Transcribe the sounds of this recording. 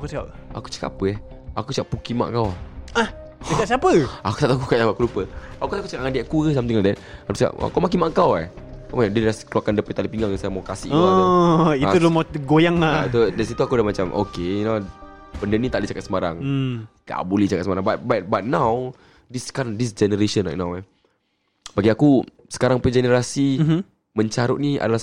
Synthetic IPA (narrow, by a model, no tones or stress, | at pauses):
akusiap̚a̰ku̥t͡ʃə̥ka̰pəɛh | akusəkaʔpukima̰ʔkawah | əkat̚siapəaku̥t̪aʔt̪akukaʔaakulupəakutakut͡ʃəkaʔŋandiaʔkukəsamt̪iŋadɛt̚apit͡ʃəka̰ʔa̰kawmak̬imaʔkawa | amaadəlaskəluakandəpit̪aləpiŋaŋasajamawkasḭʔə | iudomaɡojaŋat̪udɛs̬it̪uakudamat͡ʃamʔo̰kenapəndənit̪aʔdit͡ʃakat̪̚səmaɾaŋda̰boleht͡ʃakat̪̚səmaɾaŋbat̚bat̚bat̪̚naw | diskaɾaŋdis̬d͡ʒɛnəɾeʃə̃nla̰jʔ̚nawɛ | baɡiaku | sə̥kaɾaŋpəd͡ʒɛnəɾasi | məɲt͡ʃaɾʊʔ̚nia̰dalah